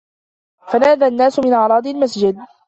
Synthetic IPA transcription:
fanaːðanːaːsʊmɪnʔaʕɾˤɑːd̪ˤɪlmasd͡ʒɪd̪̚

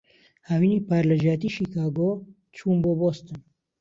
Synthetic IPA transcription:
hawiːniːpaːɾləʒaːt̪iːʃiːkʰaːɡoː | t͡ʃʰuːmboːboːst̪ɨn

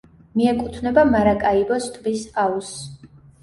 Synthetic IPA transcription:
miɛkʼut̪ʰnɛbamaɾakʼaibɔst̪ʰvisaus

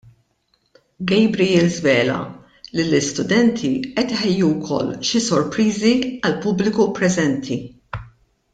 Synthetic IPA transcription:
ɡɛjbɾijɪlzvɛːlɐ̰ | lɪlɪst̪ʊd̪ɛnt̪ʰiʔɛt̪ɪħɛjːuwkʰɔ̰lːʃisɔɾpɾiːziɐlpʊblɪkupɾɛzɛnt̪ʰi

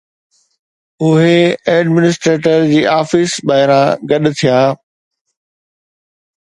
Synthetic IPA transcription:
ʊɦeɛːɖmɪnɪs̬ʈɾeːʈəɾd͡ʑiːʔaːfɪsbaːɦɪɾãɡɐɗt̪ʰijaː

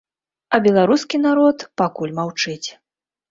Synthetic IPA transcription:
ɐbʲɛlˠaɾuskʲinaɾɔt̪pakulʲmawt͡ʂɨt͡sʲ

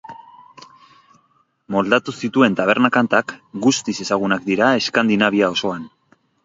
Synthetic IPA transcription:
mo̞ld̪at̪usit̪ue̞nt̪aβ̞e̞ɾnakant̪akɡust̪ise̞saɣ̞unak̚d̪iɾae̞skand̪inaβ̞iao̞so̞an

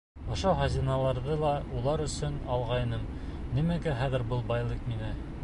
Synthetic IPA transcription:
ŏʃohɐzinɑlˠɑɾðɤlˠɑulˠɑɾɵ̆sɵnɑlˠʁɑjnɤm | nimæɡæχæðɘ̆ɾbɤlˠbɑjlˠɤqminɘ

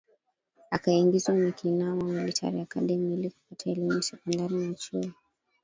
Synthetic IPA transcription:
akaiŋɡizwamikʰinaɔmamilitʰa̰ɾiakaɗɛmiːlikɔpatʰaɛlimusɛkɔndaninan̩t͡ʃui

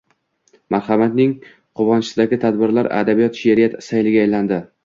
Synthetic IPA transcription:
maɾhamat̪nɪŋ | qʰʊvɒnɪsɪd̪aɡʲɪt̪ʰad̪bɪɾlaɾa̰d̪abijɒt̪ʃeɾɪjat̪sajlɪɡʲaːjland̪ɪ

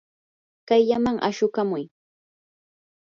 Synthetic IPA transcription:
kajʎamaŋʔa̰ʃʊkamʊj

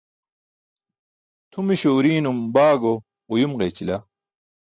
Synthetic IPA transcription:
t̪ʰumiɕoːɾiːnumbaːɡo | ujumʁeːt͡ɕilɐ

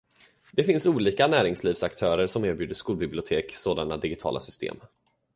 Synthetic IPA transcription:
d̪̥ɛfɪnsuːliːkanæːɾɪŋsliːvsakt̪ʰœːɾəɾʂɔmæːɾbjʉ̟ːd̪əʂkuːlbɪblɪʊt̪ʰeːksoːd̪anad̪ɪɡɪt̪ʰɑ̰ːla̰sʏst̪ʰḛːm

